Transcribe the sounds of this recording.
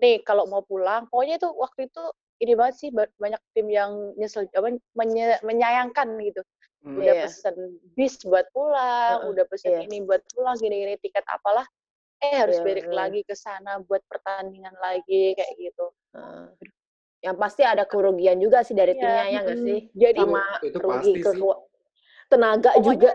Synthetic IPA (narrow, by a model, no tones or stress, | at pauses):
nɪhkalomaupulaŋkaloɲat̪uwak̚t̪uit̪u | inibaŋət̪̚sɪhbabaɲak̚t̪ɪmjaŋɲəsəld͡ʒabaməəməɲajaŋkanɡit̪u | udahpəsənbɪsbuat̪̚pulaŋudahpəsəninibuat̪̚pulaŋɡiniinit̪ikɛt̪a̰palah | ɛhaɾʊsbeɾɪk̚laɡikəsanabuat̪̚pərt̪aniŋanlaɡikajaʔɡit̪u | ə̰ | jaŋpast̪iadakəɾoɡiand͡ʒuɡasɪhdaɾit̪imɲajaŋɡasɪhd͡ʒadimaɾoɡikkək | t̪ənaɡaʔd͡ʒuɡa